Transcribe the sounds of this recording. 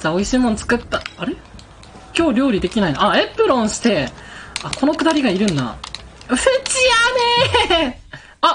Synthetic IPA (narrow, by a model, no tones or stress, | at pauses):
saːo̞iɕiːmõ̞nt͡sɨ̥kɯ̟t̪ːaaɾe | kʲo̞ːɾʲo̞ːɾʲid̪e̞kʲinainaaepːɯ̟ɾõ̞ɰ̃ɕi̥t̪e̞ako̞no̞kɯ̟d̪aɾʲiɡaiɾɯ̟̃nːa̰ | ɯset͡ɕiane | a